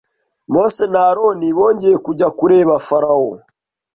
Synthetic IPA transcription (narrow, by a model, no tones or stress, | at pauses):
mosenaːɾoniβoːɲɟeekuɟakuɾeːβafaɾao